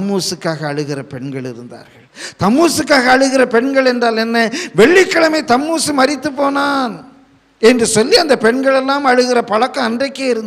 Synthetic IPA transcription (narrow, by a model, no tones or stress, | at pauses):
ɐmːuːsɯkːaːɣɐːɻɯɣɪrɐpɛɳɡɐɭɪɾɯnd̪a̰ːɾɣɐɭt̪ɐmːuːsɯkːaːɣɐːɻɯɣɪrɐpɛɳɡɐɭɛndraːlɛnːɐʋɛɭːɪkːɐɭɐmɐɪt̪ɐmːuːsɯmɐrɪt̪ːɯpːoːnaːn | ɛndrɯsɔlːiɐnd̪ɐpɛɳɡɐɭɛlːaːmɐɻɯɣɪrɐpɐɻɐkːɐ̃ɐndrɐɪkːeːɪɾɯnd̪